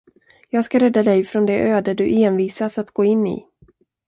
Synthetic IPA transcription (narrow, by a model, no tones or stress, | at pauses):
jɑːɡskaɾɛd̪ːad̪ɛjfɾɔnd̪ɛʔøːd̪əd̪ɵʔeːnviːsasat̪ɡ̥oːɪnːḭ